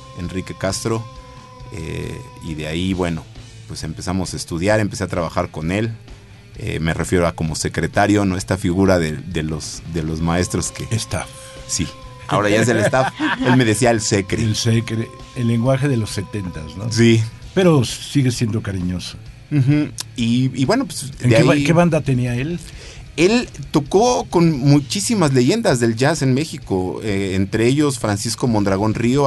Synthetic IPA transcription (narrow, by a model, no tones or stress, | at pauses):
e̞nrike̞kast̪ɾo̞ | ḛiðeaiβwe̞no̞ | pwe̞se̞mpe̞samo̞saest̪uðjaɾe̞mpe̞se̞at̪ɾaβaxaɾko̞ne̞l | ḛme̞re̞fje̞ɾoako̞mo̞se̞kɾe̞t̪aɾjo̞noe̞st̪afiɣuɾaðeðe̞lo̞zðe̞lozmaest̪ɾo̞skeest̪af | si | a̰o̞ɾaʝaeelest̪afe̞lme̞ðe̞siaelsekɾelsekɾe | elːeŋɡwaxeðelosːe̞t̪ent̪asnosi | peɾo̞siɣesje̞nd̪okaɾiɲoso | xm̩iːβwenopwesd̪eakeβand̪at̪eniael | e̞lt̪o̞ko̞ko̞nmut͡ʃisimazle̞ʝe̞nd̪azðe̞lʝase̞nme̞xiko̞eent̪ɾeeʝo̞sfɾansisko̞mõ̞nd̪ɾaɣ̞o̞nrio